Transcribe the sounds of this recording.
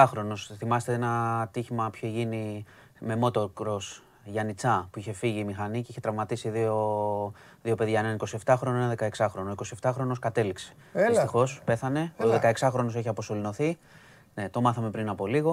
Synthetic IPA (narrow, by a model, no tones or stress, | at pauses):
ɐxɾo̞no̞sθimɐset̪eenɐt̪içimɐpçoʝini | me̞mo̞t̪o̞kɾo̞s | ʝɐnit͡sɐpuiçe̞fiʝiːmixɐnice̞içet̪ɾɐvmɐt̪isiðio | ðio̞pe̞ðʝɐenɐniko̞sie̞ft̪ɐxɾo̞noenɐðe̞kɐeksɐxɾo̞noiko̞sieft̪ɐxɾo̞no̞skɐt̪e̞likse̥ | ist̪ixo̞spe̞θɐne̞oðekɐe̞ksɐxɾo̞no̞s̬e̞çiɐpo̞so̞lino̞θi | ne̞t̪o̞mɐθɐme̞pɾinɐpo̞liɣo̞